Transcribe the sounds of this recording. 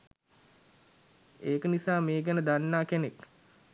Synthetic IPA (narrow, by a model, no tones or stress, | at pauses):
eːkənisaːmeːɡænəd̪anːaːkenek